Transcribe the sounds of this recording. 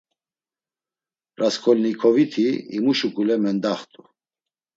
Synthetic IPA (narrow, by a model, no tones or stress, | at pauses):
ɾaskʰɔlnikʰɔvit̪ʰiḭmuʃukʼulɛmɛnd̪aχt̪ʼu